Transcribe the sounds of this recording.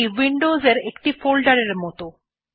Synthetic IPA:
iwiɳɖozeɾekʈifolɖaɾeɾmɔt̪o

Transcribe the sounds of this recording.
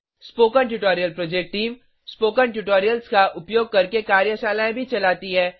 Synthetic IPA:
spoːkənʈjuʈoːɾijəlpɾoːd͡ʒek̚ʈʈiːm | spoːkənʈjuʈoːɾijəlskaʔʊpjoːɡ̚kɐɾkekaːɾjəʃaːlaẽbʱit͡ʃɐlaːt̪iɦɛː

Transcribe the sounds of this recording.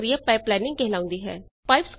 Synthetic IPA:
ɾiəpɛːplɛːnɪ̃ŋɡkeɦlaːʊ̃nd̪iːɦɛ̰ːpaːɪpsk

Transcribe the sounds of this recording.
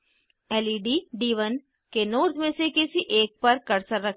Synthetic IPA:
ɛːliːɖiːɖiːʋən | kenoːɾd̪mẽːsekɪsiʔeːk̚pəɾkəɾsəɾːəkʰ

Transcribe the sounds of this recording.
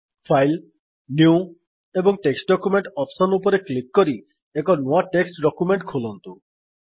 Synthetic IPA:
pʰajl | nju | ebɔŋʈeksʈɖɔkjumeɳʈɔpsɔnupɔɾeklikːɔɾi | ekɔnuaʈeksʈɖɔkumeɳʈkʰulɔnt̪u

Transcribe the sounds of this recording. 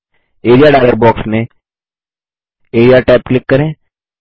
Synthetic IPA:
eːɖijaɖaːləɾbɔːksmẽ | eːɖijaʈaːp̚klɪkːɐɾẽː

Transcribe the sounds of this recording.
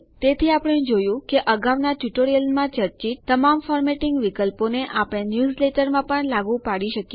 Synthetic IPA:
t̪et̪ʰiapəɽ̃ẽd͡ʒojũkeʔəɡaʋnaʈjuʈoɾijəlmãt͡ʃəɾt͡ʃit̪ːəmamfɔɾmeʈɪŋɡʋikəlponeʔapəɽ̃enjuzleʈəɾmãpəɳlaɡũpaɽiʃəkje

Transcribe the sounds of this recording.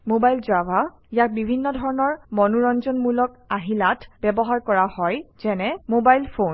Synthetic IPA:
mobajlzaba | ijak̚bibʱinːɔdʱɔɹɔnɔɹmɔnuɹɔnzɔnmulɔkaɦilatʰb̥ɛbɔɦaɹkɔɹahɔjz̥ɛnɛmobajlpʰon

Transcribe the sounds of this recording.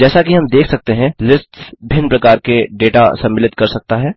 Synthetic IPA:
d͡ʒɛːsakiɦɐmd̪eːkʰsɐk̚t̪eɦɛ̃lɪsʈbʱɪnpɾɐkaːɾkeɖeːʈasɐ̃mːɪlɪt̪kɐɾsɐk̚t̪aɦɛː

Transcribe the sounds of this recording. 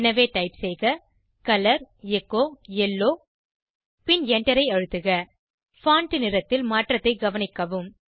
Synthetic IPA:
nɐʋeːʈɐɪpsɛjɣɐ | kɐlɐɾ | ɛkːoːɛlːoː | pɪnɛɳɖɐɾɐɪɐɻɯt̪ːɯɣɐ | faːɳʈɯnɪɾɐt̪ːɪlmaːʈrɐt̪ːɐɪɡɐʋɐnɪkːɐʋɯm

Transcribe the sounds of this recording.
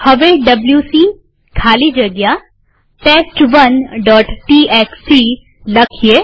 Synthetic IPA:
həʋeɖəbljusiː | kʰalid͡ʒəɡja | ʈesʈʋənɖɔːʈʈiekst̪ɾiː | ləkʰije

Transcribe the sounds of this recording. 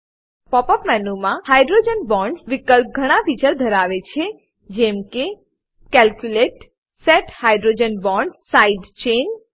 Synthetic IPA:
pɔpəpmɛnumãhajɖɾod͡ʒənbɔ̃ɳɖsʋikəlp̚ɡʱəɽ̃ãfit͡ʃəɾd̪ʱəɾaʋet͡ʃʰe | d͡ʒɛmke | kɛlkjuleʈ | sɛʈhajɖɾod͡ʒənbɔɳɖsaiɖt͡ʃen

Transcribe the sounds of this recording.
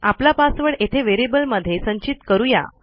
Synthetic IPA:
aplapasʋəɭet̪ʰeʋeɾebəlməd̪ʱːjesə̃ɲt͡ɕit̪kəɾuja̰

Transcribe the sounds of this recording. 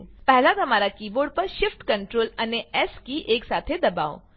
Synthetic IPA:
pɛɦlat̪ɐmaːɾakiːboɖ̚pəɾʃɪfʈkəɳʈɾoːləneɛskiːʔeːksat̪ʰed̪ɐba̰o̰

